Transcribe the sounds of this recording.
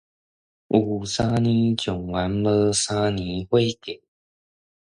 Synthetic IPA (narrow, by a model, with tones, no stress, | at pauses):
ʔu˨˩sa˥ni˧˦t͡ɕjʊ˨˩ŋwa˨˧˦nbɤ˧˦sa˦ni˧˦xwe˥˧ke˨˩˦